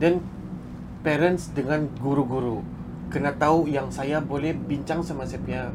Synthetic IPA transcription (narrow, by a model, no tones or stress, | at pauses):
dən | pɛɾənsdəŋanɡuɾuɡuɾu | kərnat̪aujaŋsajabolɛhbiɲt͡ʃaŋsəmasəp̚ɲa